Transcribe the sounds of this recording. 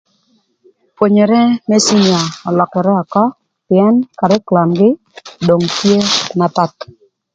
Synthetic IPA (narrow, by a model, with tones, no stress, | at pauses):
pwo˨ɲe˨ɾɛ˦me˦si˦nja˨ɔ˨lɔ˨kɛ˨ɾɛ˦a˨kɔ˦ | pɪ˨ɛ˦nka˨ɾɛ˦kla˨nɡɪ˦ | do˨ŋtje˦na˦pa˦t